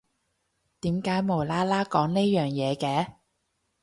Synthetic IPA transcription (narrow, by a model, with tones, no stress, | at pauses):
t̪iː˨˥mkaː˨˥jmo˨˩laː˥laː˥kɔː˨˥ŋne˥jœː˨˩ŋjɛː˨˧kɛː˨˥